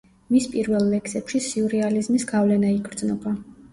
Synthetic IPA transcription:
mispʼiɾvɛlˠːɛksɛpʃisiuɾɛalizmisɡavlɛnaiɡɾd̪znɔba

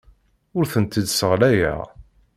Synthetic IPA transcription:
ʊɾθənt̪id̪səʁlæjæ̰

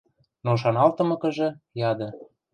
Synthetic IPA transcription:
noʃ̬ɑnɑlt̪ɤ̆mɤ̆kə̆ʒɤ̆jɑd̪ɤ̆

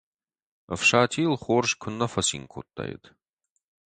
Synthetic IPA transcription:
ɐ̰fʂaːtʰiːlχʷoːrʂkʷʰʊnːɐfɐsḭŋkʷʰo̰t̪ʰʼːa̰j̰t̪ʰ

